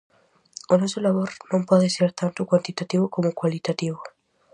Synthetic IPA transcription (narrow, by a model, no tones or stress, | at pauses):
onosolaβoɾnõmpɔðeseɾt̪ant̪ʊkwant̪it̪at̪iβokomokwalit̪at̪iβ̞o